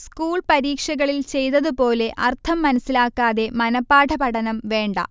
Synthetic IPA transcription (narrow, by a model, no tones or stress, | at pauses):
skuːɭpɐɾiːkʂɐɣɐɭilt͡ɕe̞jt̪ɐðupo̞ːle̞ʔɐrt̪ʰɐmːɐnɐsilaːkːaːðe̞mɐnɐpːaːʈʰɐpɐɽɐnɐmʋe̞ːɳɖɐ̰